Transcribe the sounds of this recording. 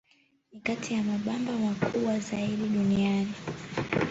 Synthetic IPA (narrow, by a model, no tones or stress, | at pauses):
nikatʰijamaɓambamakʰuɓwazaiɗiɗuniani